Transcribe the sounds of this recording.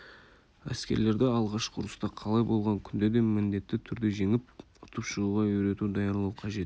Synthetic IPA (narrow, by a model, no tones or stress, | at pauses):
æ̰skʲe̞̰ɾle̞ɾd̪eɑlˠʁɑʃqʰʊɾəst̪ɑqʰɑlˠɑjbo̞lˠʁɑŋkʲʰʏnd̪e̞d̪e̞mɪnd̪e̞t̪ːɪt̪ʰʏɾd̪e̞ʒe̞ŋɪp̚ | ʊ̥t̪ʰəpʃəɾuʁɑʏjɾe̞t̪ud̪ɑjɑɾlˠɑwqʰɑʒe̞t̪